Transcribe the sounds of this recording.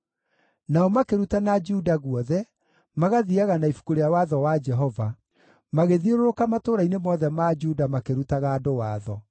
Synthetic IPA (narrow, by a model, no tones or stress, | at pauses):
naɔmakeɾutanad͡ʒudaɣuɔðɛ | maɣaðiaɣanaifu̥koɾeawaðɔwad͡ʒɛɦɔva | maɣeðioɾoɾokamatoːɾainemɔðɛmad͡ʒudamakeɾutaɣaːdowaːðɔ